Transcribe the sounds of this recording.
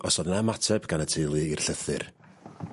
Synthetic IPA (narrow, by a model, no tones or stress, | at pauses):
ɔsɔdnamatʰɛbɡ̥anətʰɪjlˠɨirɬəθɨ̰r